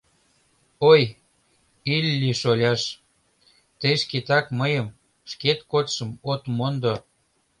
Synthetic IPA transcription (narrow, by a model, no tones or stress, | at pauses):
oj | ilʲːiʃolʲɑʃ | t̪eʃket̪ɑkməjəm | ʃket̪kot̪ʃəmot̪mond̪o